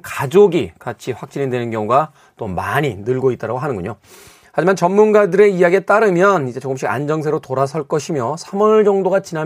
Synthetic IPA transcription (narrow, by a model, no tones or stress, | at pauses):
kad͡ʑoɡikat͡ɕʰiɸwak̚t͡ɕ͈iɲidwe̞nɯnɡjʌŋuɡa | t͈omaɲinɯɭɡoit͈ʌɾaɡoɦanɯnɡuɲo | had͡ʑimant͡ɕʌnmunɡadɯɾe̞ijaɡiet͈aɾɯmjʌnid͡ʑe̞t͡ɕoɡɯmɕ̬͈ʰiɡa̰nd͡ʑʌŋsʰe̞ɾotoɾas̬ʰʌɭk͈ʌɕʰimjʌsʰamʌnɭd͡ʑʌŋdoɡat͡ɕina